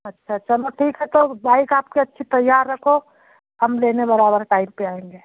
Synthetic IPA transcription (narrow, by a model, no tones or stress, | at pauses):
ɐtːʃʰat͡ʃɐloʈʰiːkɦɛt̪obʱaːikaːp̚keɐtːʃʰit̪ɐjːaːɾːɐkʰo | hɐmleːnebɐɾaːbəɾʈaːɪmpeaːẽŋɡeː